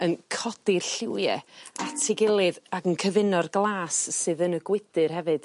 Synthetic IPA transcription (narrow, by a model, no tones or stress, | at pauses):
ənkʰɔd̥ɪrɬɪwjɛatʰɪɡɪlˠɨðaɡənkʰəvɪnɔrɡlˠaːsːɨːðənəɡwɪdɨrɦɛvɨd̥